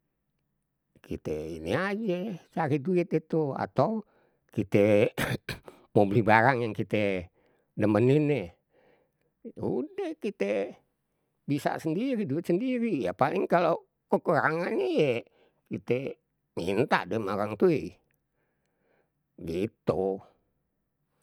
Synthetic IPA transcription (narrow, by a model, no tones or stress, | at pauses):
kʰḭt̪ɛ̰ḭniad͡ʒet͡ʃaɾiduɪt̪̚it̪ua̰t̪au | kit̪ɛ | mobilibaɾaŋjaŋkit̪ɛ | dəməninɛ | ṵdɛhkit̪e | bisa̰səndiɾiduit̪səndiɾijapalɪŋkalo | kəkuɾaŋanejɛ | kit̪ɛ | mḭnt̪a̰ʔdəmaɾaŋt̪ui | ɡit̪u